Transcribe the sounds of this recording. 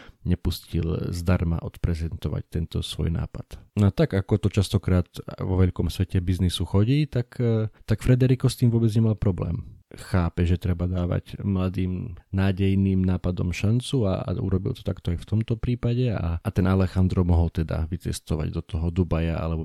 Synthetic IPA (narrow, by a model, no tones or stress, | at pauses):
ɲɛpuscḭlzd̪aɾma̰ʔɔt̪pɾɛzɛnt̪ɔʋa̰ct̪ɛnt̪ɔsʋɔ̰jna̰ːpa̰t̪nɔat̪aɡakɔt̪ɔt͡ʃast̪ɔkɾaːt̪ʋɔʋɛʎkɔmsʋɛcɛbiznisuxɔɟiːt̪akt̪akfɾɛd̪ɛɾikɔst̪iːmʋʊɔbɛd͡zɲɛmalpɾɔblɛ̰ːmxaːpɛʒɛt̪ɾɛbad̪aːʋa̰ɟmlad̪iːmnaːɟɛjniːmnaːpad̪ɔ̰mʃant͡sua̰ṵɾɔbḭlt̪ɔ̥t̪akt̪ɔajft̪ɔmt̪ɔpɾiːpaɟɛa̰t̪ɛnalɛxand̪ɾɔmɔɦɔlt̪ɛd̪a̰ʋit͡sɛ̰st̪ɔʋa̰ɟd̪ɔt̪ɔɦɔd̪ubaja̰a̰lɛbɔ